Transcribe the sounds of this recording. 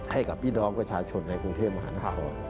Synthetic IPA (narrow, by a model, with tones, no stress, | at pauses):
ha˥˩jka˨˩p̚ːiː˥˩dɔː˧ŋpɾa˧t͡ɕʰaː˧t͡ɕʰo˧nːa˧jkɾu˧ŋt̪ʰeː˥˩p̚ma˧ɦaː˩˦naː˧˥˧kʰɔː˧n